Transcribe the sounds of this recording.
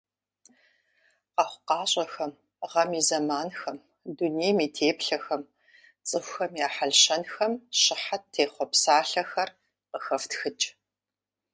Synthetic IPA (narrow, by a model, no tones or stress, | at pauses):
qɑχʷʊqɑːɕʼɐxɐm | ʁɐmizɐmaːnxɐm | duneːjmiːtʰeːpɬɐxɐm | t͡sʼɨxʷxɐmjaːħaɮɕɐnxɐmɕɪħattʰeːχʷɔpsaːɬɐxɐr | qəxɐftxɨt͡ʃʼ